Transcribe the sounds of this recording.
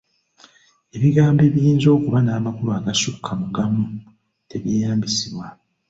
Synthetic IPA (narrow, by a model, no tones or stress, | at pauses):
e̞βiɡaːmbe̞βjiːnzo̞ːkuβanaːmakuɾuaɡasukʰːamuɡamu | te̞βjejaːmbisiβwa